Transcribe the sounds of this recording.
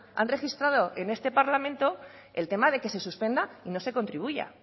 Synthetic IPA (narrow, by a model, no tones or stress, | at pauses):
a̰nre̞xist̪ɾað̞o̞ʔe̞ne̞st̪e̞paɾlamẽnt̪o̞ | e̞lt̪e̞maðe̞ke̞se̞suspe̞nd̪aino̞se̞ko̞nt̪ɾiβ̞uʝa̰